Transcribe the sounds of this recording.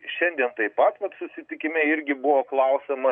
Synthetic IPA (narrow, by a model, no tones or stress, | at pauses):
ʃʲɛnʲd̪ʲiɛnt̪ɐɪpɐt̪ʋɐt̪sʊsʲɪt̪ʲɪkʲɪmʲɛɪɾʲɡʲɪbʊʋoːklˠɐʊsʲɛmɐ